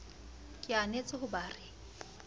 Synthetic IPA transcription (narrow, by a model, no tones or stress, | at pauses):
kʼɪanet͡sʼɪhʊbaːrɪ